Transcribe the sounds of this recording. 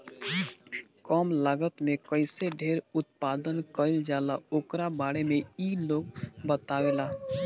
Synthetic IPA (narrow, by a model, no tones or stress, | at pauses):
kɔːmlaːɡət̪mẽkəɪseɖʱeːɾʊt̪̚paːd̪ənkəɪld͡ʒaːlaoːkɾabaːɽemẽiːloːɡbət̪awelaː